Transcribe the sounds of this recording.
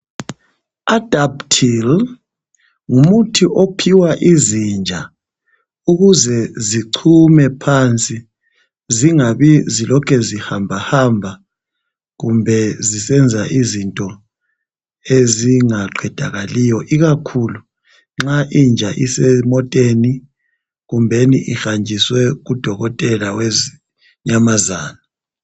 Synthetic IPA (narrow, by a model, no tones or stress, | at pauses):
ad̥ʱaptʰil | ŋumutʰiʔopʰiwaʔizind͡ʒʱa | uɣuzɛziǀʰumɛpʰant͡sʼi | ziŋaβizilɔkʰɛzihambʱahaːmbʱa | ɣumbʱɛzisɛnd͡zʱaʔizintʼɔ | eziŋaǃʱɛd̥ʱaɣaliːjɔʔiɣakʰulu | ŋ͡ǁaʔind͡ʒʱaʔisɛmɔtʼeni | ɣumbʱeniʔixand͡ʒʱiswɛɣud̥ʱɔɣɔtʼɛlawez | ɲamazaːna